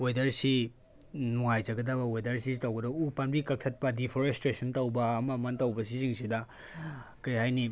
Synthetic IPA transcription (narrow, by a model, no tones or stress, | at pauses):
wejdɐɾsi | nuŋajzɐɡɐdɐbɐwejdɐɾs̬isitɐwɡɐdɐupanbikɐk̚tʰɐt̚pɐdipʰoɾestɾesɐntɐwbɐːmɐmɐntɐwbɐsiziŋsidɐ | kɐjɦajni